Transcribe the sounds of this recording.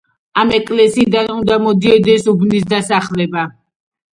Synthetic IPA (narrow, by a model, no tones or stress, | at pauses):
amɛkʼlɛsiːd̪anund̪amɔd̪iɛd̪ɛsubnis̬d̪asaχlɛba